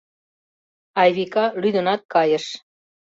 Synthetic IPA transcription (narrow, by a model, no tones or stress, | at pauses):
ɑjβikɑlyd̪ənɑt̪̚kɑjəʃ